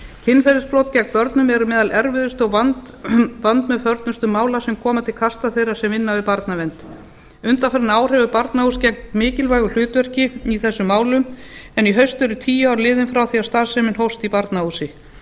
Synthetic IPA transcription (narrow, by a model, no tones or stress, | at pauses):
cʰɪnːfɛɾʏspɾowt̪cɛk̚pœɾt̪nʏmɛɾʏmɛːðalʔɛɾvɪðʏst̪ɔɣvant̪ | vant̪mɛðfœɾt̪nʏst̪ʏmaːwlasɛmkʰɔːmat̪ʰɪlkʰast̪aθejɾasɛmɪnːavɪðpaɾt̪navɛnt̪ | ʏnt̪anfɛɾnaːwr̥ɛvʏpaɾt̪nauscɛŋ̥t̪mɪːcɪlvaːjɣʏl̥ʏːt̪vɛr̥cɪiθɛsːʏmːaːwlʏmɛniɦœɥst̪ɛɾʏt̪ʰiːjaawɾlɪːðɪnfɾawθiast̪aːðsɛmɪnɦowst̪ipaɾt̪nausɪ